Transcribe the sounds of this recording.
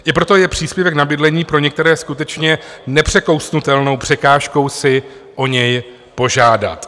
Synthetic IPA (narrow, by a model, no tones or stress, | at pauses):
ɪpɾo̞t̪o̞jɛpr̝̥iːspjɛvɛknabɪdlɛɲiːpɾo̞ɲɛk̚t̪ɛɾɛːskut̪ɛt͡ʃɲɛnɛpr̝̥ɛko̞wsnut̪ɛlno̞wpr̥ɛkaːʃko̞wsɪ | ʔo̞ɲɛj | po̞ʒaːda̰t̪